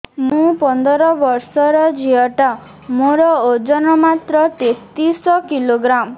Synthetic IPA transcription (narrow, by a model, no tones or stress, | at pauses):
mũpɔnd̪ɔɾɔbɔɾsɔɾɔd͡ʒiɔʈa | moɾɔod͡ʒɔnɔmat̪ɾɔt̪et̪isɔkiloɡɾam